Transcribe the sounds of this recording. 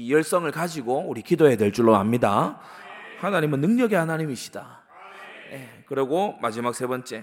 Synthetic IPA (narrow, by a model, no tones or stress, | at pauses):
ijʌɭs͈ʌŋɯɭkad͡ʑiɡouɾikidoe̞dwe̞ɭt͡ɕ͈uɭːoa̰mɲida | hanaɲimɯnːɯŋɲʌɡihanaɲimiɕ͈ʰi̥d̥a | je | kɯɾʌɡomad͡ʑimak̚s͈ʰe̞bʌnt͡ɕ͈e̞